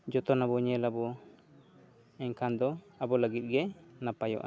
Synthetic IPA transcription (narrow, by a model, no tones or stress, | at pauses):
d͡ʒɔt̪ɔnabɔɲɛlabɔ | ɛɲkʰand̪ɔ | abɔləɡit̪̚ɡɛnapajɔ̰ʔa̰